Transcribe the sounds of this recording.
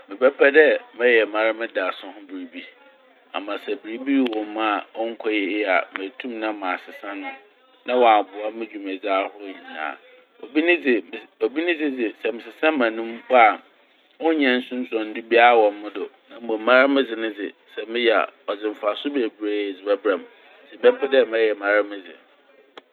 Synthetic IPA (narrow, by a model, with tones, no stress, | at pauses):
mɪ̃˨bɛ˦pʰɛ˦dɛ˦mɛ̃˦jɛ˨mã˨ɾa˦mɪ̃˦da˨sʊ̃˦hʊ̃˦bi˨ɾi˨bi˦ | a̰˨mã˨sɛ˨bi˨ɾi˦bi˦˨wɔ˨mã˦˨ɔ˦ŋ̩˦kʰɔ˦jɪ˦ɪ˦˨a̰˨mɪ̃˨tʰũ˦mnã˦mã˨sɪ˨sã˦nʊ̃˦ | nã˦wɔ˨a˨bʊ˨a˦mɪ̃˦d͡ʑᶣu˨mɛ˨d͡za˦hʊ˦ɲi˨nã̰ː˦˨ | ɔ̰˨bi˦nɪ̃˦d͡zɪ˨o˨bi˦nɪ̃˦d͡zɪ˦d͡zɪ˨sɛ˨mɪ̃˨sɪ˨sã˦mːã˨nũ˦m˦pʰɔ˦a˨ | wʊ̃˦ɲɛ̃˨n̩˦sʊ̃˦n̩˦sɔ̃˨n̩˦du˦bi˦a˦˨wɔ̃˨n˦mʊ̃˦dʊ˨nã˨˦ɔ̃˨˦mã˦ɾɪ˦mɪ̃˦d͡zɪ˨nɪ̃˦d͡zɪ̰˨sɛ˨mɪ̃˦jɛ˨a̰˨ɔ˨d͡zɪ˨m̩˨fa˨sʊ˦be˨bɾe˦˨d͡zɪ˨bɛ˦bɾã˨m̩˨ | sɛ˨bɛ˦m˦pʰɛ˦dɛ˦˨mɛ̃˦jɛ˨mã˨ɾɪ˦mɪ̃˦d͡zɪ̰˨